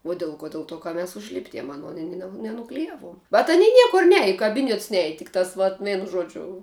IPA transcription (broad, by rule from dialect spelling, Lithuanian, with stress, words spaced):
uɔ ˈdʲɪlˠ ˌkoː ˈdʲɪlˠ ˌtuɔ kɐ mʲɛs ʊʒʲˈlʲɪbʲdʲiɛm ɐˈnoːn ɪ nʲɛ nʲɛnʊklʲɪˈjæːʋuɔm bʲɛt ɐˈnʲiː ˈnʲiɛkʊr ˈnʲæːjɛ ɪ kɐˈbʲiːnʲɛts ˈnʲæːjɛ tʲɪk tɐs ʋɐt ˈʋʲɛɪnʊ ˈʒuɔd͡ʒʲʊ